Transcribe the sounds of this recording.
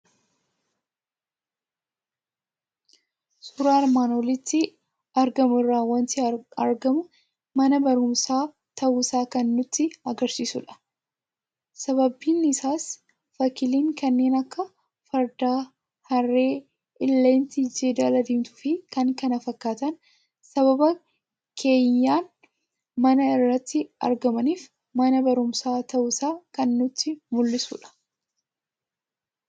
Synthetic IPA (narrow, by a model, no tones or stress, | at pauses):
sʊɾaːɐɾmaːnwɔlɪt̪ːɪ | ɐɾɡɐmɪrːaːwɐnt̪ɪɐ̰ɾɡɐmʊ | mɐnɐbɐɾʊmsaː | t̪ʰɐʔʊɪsaːkɐnːʊt̪ːɪɐɡɐɾsiːsʊ̰ᶑɐ̥ | sɐbɐbːiːnːɪsaːs | fɐkɪliːŋkɐnːe̞ːnɐkːɐ | fɐɾd̪aː | hɐrːe̞ː | ʔɪlːeːnt̪ɪd͡ʒeːd̪aːlɐd̪iːmt̪ʊ̥fɪkɐŋkɐnɐfɐkːaːt̪ɐn | sɐβɐbɐ | kʰe̞ːɲːaːn | mɐnɐɪrːɐt̪ːɪɐ̰ɾɡɐmɐniːf | mɐnɐbɐɾʊmsaːt̪ɐʔʊsaːkɐnːʊt̪ːɪmʊlːɪsṵːᶑɐ̥